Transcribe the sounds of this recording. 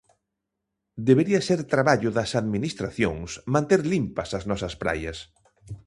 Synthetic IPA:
d̪eβeɾiɐseɾt̪ɾaβaʎʊðɐsaðminist̪ɾaθjo̰ŋsmãnt̪eɾlimpɐsaznɔsɐspɾa̰jɐs

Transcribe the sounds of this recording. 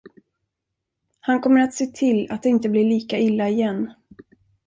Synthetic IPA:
hankʰɔmːəɾat̪seːt̪ʰɪlːa̰t̪̚d̪ɛɪnt̪əblɪɭiːkaɪlːaɪjɛnː

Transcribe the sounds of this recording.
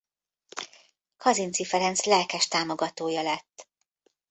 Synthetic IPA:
kʰɒzint̪sifɛɾɛnt̪slɛlkɛʃt̪aːmo̞ɡɒt̪oːjɒlɛt̪ː

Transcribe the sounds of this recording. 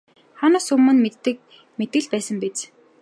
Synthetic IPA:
χanʊːsɵmːɵ̆nmet̪ːɘ̆k̚ | met̪̚ɡɘ̆ɮpæːsə̆mpet͡s

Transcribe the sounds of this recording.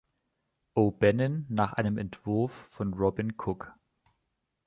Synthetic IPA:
ʔoːbɛnənːaːχʔa̰ɪnəmɛntv̥ʊɐfːɔnʁɔbɪnkʰʊk

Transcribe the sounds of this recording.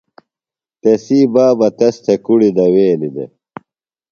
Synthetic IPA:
t̪esiːbaːbɐt̪ɐst̪ʰekuɽid̪ɐweːnid̪ḛ

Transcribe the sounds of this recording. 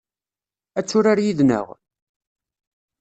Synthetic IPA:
æt͡sːʊɾaɾjiðnə̰ʁ

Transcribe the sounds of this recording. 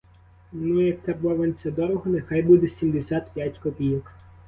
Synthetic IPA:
nujɐk̚t̪ɛbɔʋɐnʲt͡sʲɐd̪ɔɾɔɦɔnexɑjbud̪ɛsʲimd̪esʲat̪pʲjatʲkɔpʲijɔk

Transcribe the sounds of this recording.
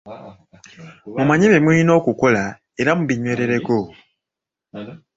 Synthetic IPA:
mumaɲeβemwiino̞ːkuko̞la | e̞ɾamuβiɲweːɾe̞ɾe̞ko

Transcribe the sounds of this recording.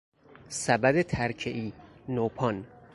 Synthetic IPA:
sæbæd̪et̪ʰæɾcʰeʔiːnopʰɒn

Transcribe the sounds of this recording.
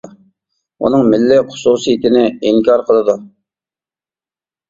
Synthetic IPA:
ṵnɨŋmɪlːɪχʊ̥susɨjit̪ɪnɪiŋkʲʰɑɾqʰəlˠɨd̪u

